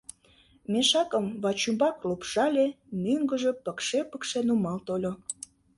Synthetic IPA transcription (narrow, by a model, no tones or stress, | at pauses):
mʲeʃɑkəmβɑt͡ɕumbɑklupʃɑlʲe | møŋɡəʒe̽pəkʃepəkʃenumɑlt̪olʲo